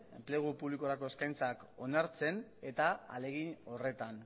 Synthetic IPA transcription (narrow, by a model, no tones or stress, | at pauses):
emple̞ɣ̞upuβlikoɾako̞e̞skajnt͡sako̞naɾt͡se̞ne̞t̪aa̰le̞ɣino̞re̞t̪an